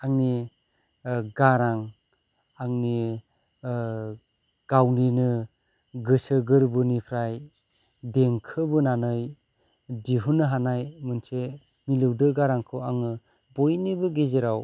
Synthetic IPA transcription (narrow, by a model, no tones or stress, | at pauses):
aŋni | ɡaɾaŋ | aŋni | ɡ̥awninɯ | ɡɯsɯɡɯɾbɯnipʰɾaj | deŋkʰɯbɯnanɯj | diɦunːɯɦanajmɯnse | milɯwdɯɡaɾaŋkʰɯwaŋɯ | bojnibɯɡezeɾaw